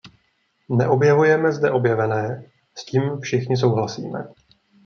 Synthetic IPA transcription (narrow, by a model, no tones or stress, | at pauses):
nɛʔo̞bjɛvujɛmɛzdɛʔo̞bjɛvɛnɛː | sciːmfʃɪxɲɪs̬o̞wɦlasḭːmɛ̰